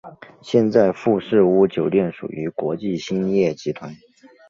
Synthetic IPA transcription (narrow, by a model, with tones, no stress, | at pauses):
ɕjɛ˥˧nt͡sa˥˧ɪfu˥˧ʂɻ̩˥˩u˧˥t͡ɕjo˨˩ʊljɛ˥˩nʂṵ˨˩y˧˥kwɔ˧˥t͡ɕi˥˩ɕi˥njɛ˥˩t͡ɕi˧˥t̪ʰwa˧˥˦n